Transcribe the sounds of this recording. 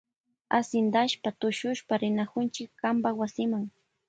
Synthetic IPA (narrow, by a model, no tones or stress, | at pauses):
asɪnd̪aʃpat̪ʊʃʊʃpaɾɪnakʊnt͡ʃɪkːambawasɪmaŋ